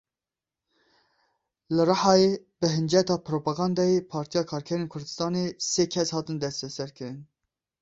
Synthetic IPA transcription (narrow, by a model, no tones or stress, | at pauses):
lɨrɑħɑːjebɨɦɨnd͡ʒɛt̪ɑːpʰɾoːpɑɡɑnd̪ɑjepʰɑːɾt̪ʰijɑːkʰɑːɾkʰɛɾeːnkʰʊɾd̪ɨst̪ɑːneseːkʰɛshɑːt̪ɨnd̪ɛst̪ɛsɛɾkʰɨɾɨn